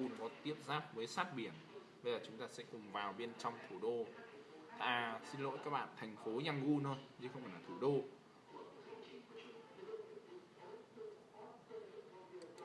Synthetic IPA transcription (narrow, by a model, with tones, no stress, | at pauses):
u˧nkɔ˨˦t̪i˧˨əp̚zaː˦˥p̚vəː˨˦jsaː˦˥t̚ɓi˧˩ən | ɓə˧jzaː˨˩t͡ɕʊ˨˦ŋ͡mt̪aː˧sɛ̰˧˥kʊ˨˩ŋ͡mvaː˨˩wɓe˧nt͡ɕɔ˧wŋ͡mt̪ʰu˨˧˩ɗo˧ | t̪a̰ː˧˩si˧nlo̰˧˨jkaː˦˥k̚ɓa̰ː˧˨nt̪ʰɛ˨˩jŋ̟fo˨˦ɲa˧ŋɣu˧no˧jzḭ˧˥xə˧wŋ͡mfa˨˩nlaː˨˩t̪ʰu˧˩ɗo˧